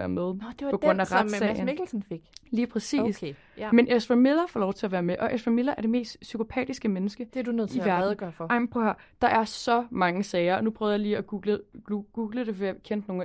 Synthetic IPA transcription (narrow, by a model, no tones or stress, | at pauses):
æɐmeðˠd̥epɒ̽ɡ̥ʁɔ̽n̰æʁadsɛɪnmiɡ̥l̩sn̩feɡ̥liːpʰʁɛsḭːs | menʔesfɐmelɐfɒːlɒʊt͡sʰe̝læʋæːɐmeʔɒ̽ʔesfʁɐmelɐʔæɐɾ̥e̝me̝̰ːsd̥sykʰo̝pʰɛ̰ːd̥isɡ̥əmenəsɡ̥əd̥edunøðˠiʋæɐ̰ɡ̥ɐɑ̈ɪm̩pʰohæd̥ɑ̈ʔæɐsɒ̽mɑ̈ŋəsɛːɪɐɒ̽nupʰʁœːðˠjɑ̈liːɒɡ̥uːɡ̥lə̥uɡ̥uːɡ̥ləd̥e̝fɒjkʰen̰d̥no̝ː